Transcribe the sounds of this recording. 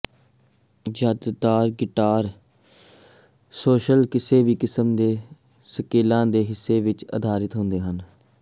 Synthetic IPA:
d͡ʒəːd̪d̪aːɾɡɪʈaːɾ | soːʃəlkɪseːʋiːkɪsəmd̪eː | səkeːlãːd̪eːɦɪsːeːʋɪt͡ʃə̰d̪ʱaːɾɪt̪ɦʊ̃nd̪eːɦən

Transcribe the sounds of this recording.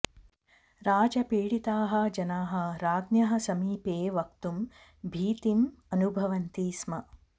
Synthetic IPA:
ɾaːd͡ʒɐpeːɽit̪aːɦɐ̆d͡ʒɐnaːɦɐ̆ɾaːd̪njɐɦɐsɐmiːpeːʋɐk̚t̪um | bʱiːt̪imɐnubʱɐʋɐnt̪iːsmɐ

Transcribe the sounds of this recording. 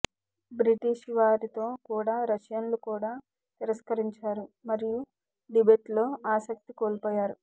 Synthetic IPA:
bɾiʈiʃʋaːɾit̪o̞ːkuːɽaːɾɐʃjɐnlukuːɽaː | t̪iɾɐskɐɾiɲt͡ʃaːɾumɐɾiju | ɖibeːʈlo̞ːaːsɐk̚t̪ikoːlpoːjaːɾu

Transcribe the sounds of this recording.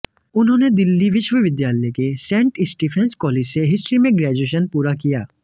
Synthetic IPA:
ʊnɦõːned̪ɪlːiʋɪʃʋəʋɪd̪jaːləekesɛ̃ːɳʈɪsʈiːpʰɛ̃nskɔːleːd͡ʒseɦɪsʈɾimẽɡɾɛːd͡ʒeːʃ̬ənpuːɾakijaː

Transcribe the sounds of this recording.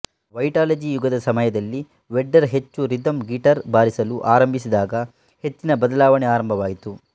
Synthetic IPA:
ʋɐjʈaːlɐd͡ʒijuɡɐd̪ɐsɐmɐjɐd̪ɐlːi | ʋeɖːɐɾɦet͡ʃːuɾid̪ɐmɡiʈɐɾbaːɾisɐluʔaːɾɐmbʱisid̪aːɡɐ | he̞t͡ʃːinɐbɐd̪ɐlaːʋɐɳɛaːɾɐmbʱɐʋaːjit̪u

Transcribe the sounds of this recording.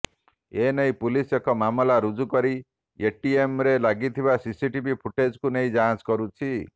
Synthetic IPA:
enej̃pulisekɔmamɔlaɾud͡ʒukɔɾi | eʈiemɾelaɡit̪ʰibasisiʈibipʰuʈed͡ʒkuneĩd͡ʒaɦãd͡ʒkɔɾut͡ʃʰi

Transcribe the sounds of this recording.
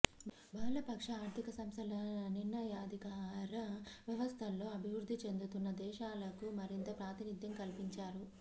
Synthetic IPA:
bʱaːlɐpɐkʂɐaːɾt̪ʰikɐsɐmst̪ʰɐlɐninːɐjaːd̪ʱikaːɾɐʋjɐʋɐst̪ʰɐlːo̞ːɐbʱiʋɾud̪ʱːit͡ʃe̞nd̪ut̪unːɐd̪ɛːʃaːlɐkumɐɾint̪ɐpɾaːt̪inid̪jɐmkɐlpiɲt͡ʃaːɾu

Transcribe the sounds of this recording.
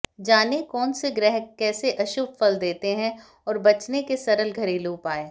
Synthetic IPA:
d͡ʒaːnekɔːnseɡɾɛɦkːɛːseʔɐʃuːbfɐld̪eːt̪eɦɛ̃ | ɔːɾbɐt͡ʃnekesɐɾəlɡʱɐɾeluːpaːeː

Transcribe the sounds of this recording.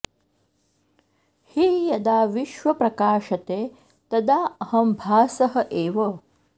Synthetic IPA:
hijɐd̪aːʋiʃʋɐpɾɐkaːʃɐt̪eː | t̪ɐd̪aːɐɦɐmbʱaːsɐɦɐʔeːʋɐ

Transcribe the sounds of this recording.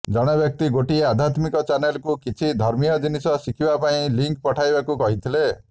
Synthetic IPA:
d͡ʒɔɽ̃ɔbjɔk̚t̪iɡoʈiead̪ʱat̪mikɔt͡ʃanelkukit͡ʃʰid̪ʱɔɾmijɔd͡ʒinisɔsikʰibapaĩliŋkpɔʈʰajbakukɔɦit̪ʰile

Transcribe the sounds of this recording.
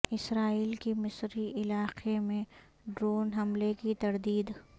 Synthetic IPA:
ɪsɾaːiːlkemɪsɾiʔɪlaːqemẽ | ɖɾoːnɦɐmlekit̪ɐɾd̪iːd̪

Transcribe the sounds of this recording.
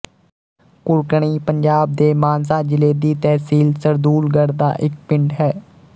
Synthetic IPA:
kʊɾkɳiːpəɲd͡ʒaːb̚d̪eːmaːnsaːd͡ʒɪleːd̪iːt̪ɛːsiːlsəɾd̪uːlɡəɽd̪a̰ːʔɪk̚pɪɳɖɦɛː

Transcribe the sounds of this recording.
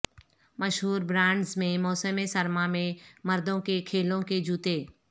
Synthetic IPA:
məʃɦuːɾbɾãːɳɖzmẽmɔːsəmesɐɾmamẽmɐɾd̪õkekʰeːlõked͡ʒuːt̪eː

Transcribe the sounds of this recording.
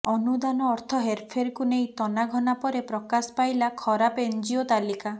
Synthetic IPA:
ɔnud̪anɔːɾt̪ʰɔɦeɾpʰeɾkunej̃t̪ɔnaɡʱɔnapɔɾepɾɔkaspajlakʰɔɾapend͡ʒiot̪alika

